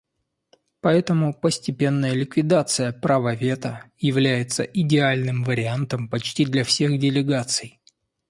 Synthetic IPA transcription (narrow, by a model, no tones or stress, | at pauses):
pɐɛt̪əmʊpəsʲtʲɪpʲe̞nːəjəlʲɪkvʲɪd̪at̪sɨjəpɾavəvʲe̞t̪əjɪvlʲæjɪt̪səʔɪdʲɪalʲnɨmvəɾʲɪant̪əmpɐt͡ɕtʲid̪lʲɐfsʲe̞xdʲɪlʲɪɡat̪sɨj